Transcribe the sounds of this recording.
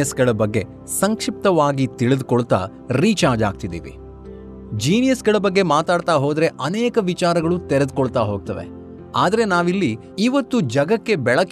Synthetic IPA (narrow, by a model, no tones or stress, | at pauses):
ɐsɡɐɭɐbɐɡːe̞ | sɐŋkʂip̚t̪ɐʋaːɡit̪iɭid̪kɔɭt̪a̰ː | ɾiːt͡ʃaːd͡ʒaːɡ̚t̪id̪ḭːʋḭ | d͡ʒiːnijɐsɡɐɭɐbɐɡːe̞maːt̪aːɖt̪aːɦoːd̪ɐɾe̞ʔɐneːkɐʋit͡ʃaːɾɐɡɐɭut̪eɾed̪kɔɭt̪aːɦoːɡ̚t̪ɐʋḛ | aːd̪ɐɾe̞naːʋilːiː | ʋɐt̪ːud͡ʒɐɡɐkːe̞bɛɭɐk